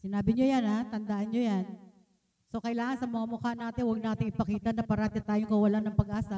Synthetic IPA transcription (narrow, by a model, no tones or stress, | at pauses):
sɪnaːbɪɲojanaːt̪ɐnd̪aʔanɲojan | so̞kɐʔɪlaːŋɐnsɐmɐŋamʊkanaːt̪ɪŋwɐɡ̚naːt̪ɪŋɪpɐkiːt̪ɐnɐpɐɾaːt̪ɪt̪aːjoŋkɐwɐlanɐŋpɐɡʔaːsɐ